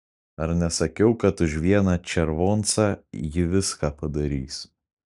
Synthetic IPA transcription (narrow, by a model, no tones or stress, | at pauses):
ɐɾnʲɛsɐkʲɛʊkɐt̪ʊʃʋʲiɛnɑːt͡ʃʲɛɾʋoːnt̪sɑːjɪʋʲɪskaːpɐd̪ɐɾʲiːs